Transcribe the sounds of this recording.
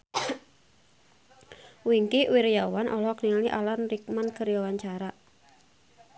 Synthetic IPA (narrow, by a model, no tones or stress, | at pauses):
wiŋkiwiɾjawanʔɔ̰lɔkniŋliʔa̰lanrik̚mankəɾjawaɲt͡ʃaɾa